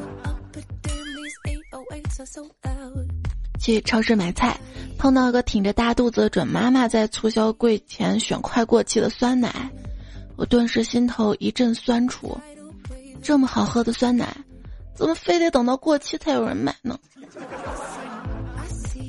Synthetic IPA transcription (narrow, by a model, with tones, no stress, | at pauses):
t͡ɕʰi˧˥˧ʈ͡ʂʰɑ˧˥ʂɻ̩˥˩ma˨˧˩ɪt͡sʰa˥˩ɪpʰɑ˥˧ŋt̪ɑ˥˩ʊi˧˥ɡə˧˩t̪ʰi˨˩ŋʈ͡ʂə˧˦t̪a˥˧t̪u˥˩d͡zə˨ʈ͡ʂwə̰˨˩nma˥ma˨t͡sa˥˩ɪt͡sʰu˥˩ɕjɑ˥ʊkwe˥˩ɪt͡ɕʰjɛ˧˥nɕɥɛ̰˨˩nkʰwa˥˧ɪkwɔ˥˧t͡ɕʰi˥˩d̪ə˩swa˥nna̰˧˥˦ɪwɔ̰˨˩t̪wa˥˧nʂɻ̩˥˩ɕi˥nt̪ʰo˧˥ʊʔi˧˥ʈ͡ʂə˥˩nswa˥nʈ͡ʂʰṵ˧˥ | ʈ͡ʂɤ˥˩mə˩xɑ˨˩ʊxɤ˥d̪ə˨swa˥nna̰˧˩˥ɪt͡sə˨˩mə˩fe˥˧ɪt̪e˧˥ɪt̪ɤ˨˩ŋt̪ɑ˥˧ʊkwɔ˥˧t͡ɕʰi˥˧t͡sʰa˥˩ɪjo˨˩ʊɻə̰˧˥nma̰˨˩ɪnə̰˧˦